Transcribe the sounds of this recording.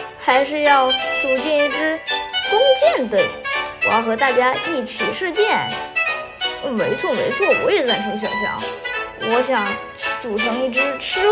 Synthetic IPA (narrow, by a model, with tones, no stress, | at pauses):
xa˧˥ɪʂɻ̩˥˧jɑ˥˩ʊt͡su˨˩t͡ɕjɛ˥˧ni˥˩ʈ͡ʂɻ̩˥kʊ˥ŋt͡ɕjɛ˥˩nt̪we˥˩ɪwɔ˨˩˧jʊxɤ˧˥t̪a˥˩t͡ɕja˥i˥˩t͡ɕʰi˨˩ʂɻ̩˥˧t͡ɕjɛ˥˩n˥˩ | me˧˥ɪt͡sʰwɔ˥˩mḛ˧˥ɪt͡sʰwɔ˥˩wɔ̰˧˥jɛ˨˩t͡sa˥˩nʂʰi˧˥ŋɕ̬jɛ̰˨˩nɕjɑ̰˥˩ŋwɔ˧˥ɕjɑ˨˧˥ŋ | t͡su˨˩ʈ͡ʂʰɤ˧˥ŋi˥˩ʈ͡ʂɻ̩˥ʈ͡ʂʰɻ̩˥